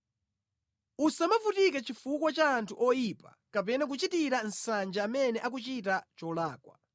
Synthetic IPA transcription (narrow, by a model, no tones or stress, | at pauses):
usamavutikɛt͡ʃifukwɔt͡ʃaːntʰuʔɔjipḁ̰ | kapɛnak̬ut͡ʃitiɾan̩sand͡ʒaːmɛnɛʔak̬ut͡ʃit̬at͡ʃɔlaːkwa̰